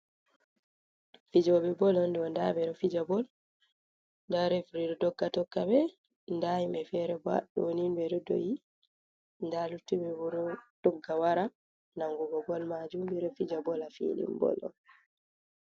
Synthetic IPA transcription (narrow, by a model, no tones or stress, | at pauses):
fid͡ʒɔbɛbɔlɔndɔndabɛɾɔfid͡ʒabɔl | ndaɾɛfɾiɾɔdɔɡːatɔkːabɛ | ndajimbɛfɛɾɛba̰ɗɔwnimbɛdɔdo̰ji | ndalutːubɛbɔɾɔd̥ɔɡːawaɾa | naŋɡuɡɔɡɔlmad͡ʒumbɛɾɔfid͡ʒabɔlafḭlḭmbɔ̰lɔ̰n